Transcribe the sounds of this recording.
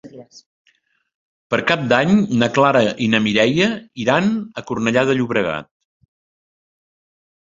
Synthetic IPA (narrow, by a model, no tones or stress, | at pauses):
pəɾkap̚d̪aɲnəklaɾəʔinəmiɾɛjəiɾanəkurnəʎaðəʎuβɾəɣa̰t̪̚